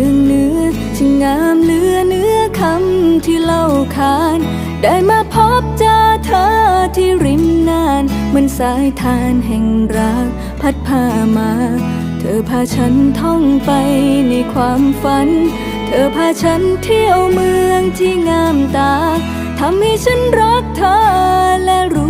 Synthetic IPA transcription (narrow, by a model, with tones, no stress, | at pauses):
əŋnɯ˨˧˥ə | t͡ɕʰɯ˧ŋːaː˧˥mnɯ˦˥ɐnɯ˦˥əɐəkʰa˧mt̪ʰiː˧la˧˩wkʰaː˧˦n | daː˧˩jmaː˧pʰo˦˥p̚t͡ɕaː˧t̪ʰaː˧˥t̪ʰiː˧˩ɾi˧˥mnaː˧˩nmɯ˧nsaː˨˦˥jt̪ʰaː˧˥nɦɛ˨˩ŋɾaː˧˦˥k̚ | pʰa˧˥t̪̚pʰaː˧˩maː˧˥ | t̪ʰɤː˨˧˦pʰaː˧˩t͡ɕʰa˦˥nt̪ʰɔ˧˩ŋpa˧jni˧kʰwaː˧˥mfa˧˦˥n | t̪ʰɤː˨˧pʰaː˧t͡ɕʰa˦˥nt̪ʰiː˥˩ʔa˧wmɯ˧əŋt̪ʰiː˧˥˩ŋaː˧˩mt̪aː˧ | t̪ʰa˧˥mha˥˩jt͡ɕʰa˦˥nɾa˦˥k̚t̪ʰaː˧˩lɛ˧˥ɾuː˧˥